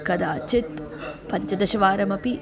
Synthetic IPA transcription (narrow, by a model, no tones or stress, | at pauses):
kɐd̪aːt͡ʃit̪ | pɐɲt͡ʃɐd̪ɐʃɐʋaːɾɐmɐpi